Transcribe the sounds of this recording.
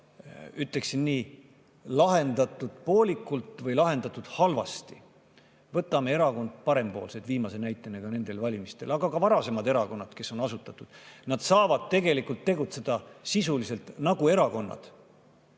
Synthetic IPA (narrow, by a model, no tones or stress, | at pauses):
yt̪le̞ksinːiː | lɑɦe̞nd̪̥ɑt̪ːˑud̪̥po̞ːlʲikːˑult̪ˑvɤjlɑɦe̞nd̪̥ɑt̪ːˑud̪̥hɑlvɑ̰st̪i | vɤt̪ːˑɑme̞e̞ɾɑko̞nd̪̥̚pɑɾe̞mpo̞ːlsed̪viːmɑse̞næjt̪ːˑeneɡ̥ɑne̞nd̪̥e̞lvɑlʲimist̪e̞lɑɡɑkɑvɑɾɑse̞mɑd̪e̞ɾɑko̞nːɑd̪ke̞sːo̞nɑsut̪ːˑɑt̪ːˑud̪̥nɑd̪̥sɑːvɑd̪̥̚t̪e̞ɡe̞likult̪ːe̞ɡut̪se̞d̪̥ɑsisulise̞lt̪nɑɡ̥ue̞ɾɑko̞nːɑ̰d̪̥